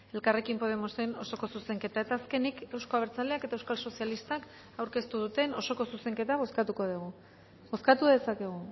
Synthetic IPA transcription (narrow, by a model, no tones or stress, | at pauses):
e̞lkare̞kimpo̞ð̞emo̞se̞no̞so̞ko̞suse̞ŋke̞t̪ae̞t̪aːske̞nike̞wsko̞aβeɾt͡saleake̞t̪ae̞wskalso̞sjalist̪ak | awɾke̞st̪uðut̪e̞no̞so̞ko̞suse̞ŋke̞t̪aβ̞o̞skat̪uko̞ð̞uɣ̞u | βo̞skat̪uðe̞sake̞ɣ̞u